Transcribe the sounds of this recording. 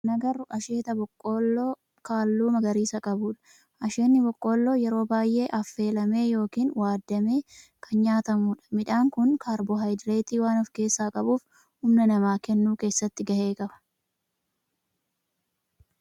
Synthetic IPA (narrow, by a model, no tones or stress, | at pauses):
nɐɡɐɾʊʔɐʃe̞ːt̪ɐbɔkʼːoːlːoː | kaːlːuːmɐɡɐɾiːsɐkʼɐbuːᶑɐ̥ | ʔɐʃeːnːɪbɔkʼːo̞ːlːoːjɛɾo̞ːbaːjʔe̞ːʔɐfːe̞ːlɐme̞ːjo̞ːkiːnwaːd̪ːɐme̞ːkʰɐnɲaːt̪ɐmuːᶑɐ̥mɪᶑaːŋkʊnkʰaːɾbɔɦɐjd̪ɾeːt̪iːwaːnɔfke̞ːsːaːkʼɐbuːf | hʊmnɐnɐmaːkɛnːuːke̞ːsːɐt̪ːɪɡɐhe̞ːkʼɐbɐ̥